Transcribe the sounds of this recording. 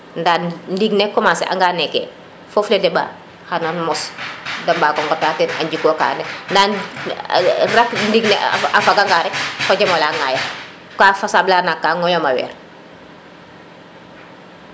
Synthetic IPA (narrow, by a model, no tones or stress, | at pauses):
ndandiɡnɛkːɔmasɛ̰ʔa̰ŋɡanɛkɛ̰ | fɔflɛdɛba̰ | hananmɔsdɐmbaːkɔŋɡɔtaːtɛnaɲɟikɔka̰ːndɛndan | ɾakndiɡnɛ̰afaɡaŋɡaɾɛkfɔɟɛmɔlaːŋaja | kafasablaːnakːaːŋɔjɔmawɛ̰ːɾ